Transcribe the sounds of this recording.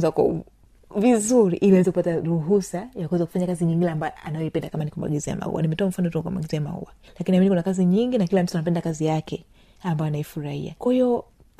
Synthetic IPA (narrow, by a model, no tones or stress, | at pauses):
zakɔ̰ | vizuɾḭʔiliawɛzɛkupataɾuɦusajakwɛzaku̥faɲakaziɲiŋɡilambajɔa̰najɔipɛndakamanikumba̰ɡizia̰ma̰ṵwa̰nimɛtɔam̩fanɔtukɔka̰ma̰ɡizɛama̰ṵwalakiniaminikunakaziɲiŋɡinakilam̩tuanapɛndakazijakɛ | ambajɔanaifuɾahḭa̰kwahiɔ